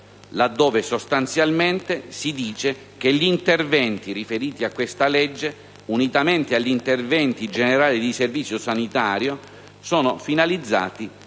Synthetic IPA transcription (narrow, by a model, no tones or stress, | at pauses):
lad̪ːoːvesost̪ant̪sjalment̪esid̪iːt͡ʃe | k̟eʎːiiːnt̪ervɛnt̪irifeɾiːt̪iakːwest̪alɛd͡ʒːe | unit̪ament̪eaʎːint̪ervɛnt̪id͡ʒeneɾaːlid̪iservit̪sːjosanit̪aːɾjo | soːnofinalid̪zːa̰ːt̪i